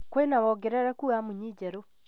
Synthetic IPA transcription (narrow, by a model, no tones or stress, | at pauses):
kwenawɔɡeɾaɾakuamuɲid͡ʒɛɾo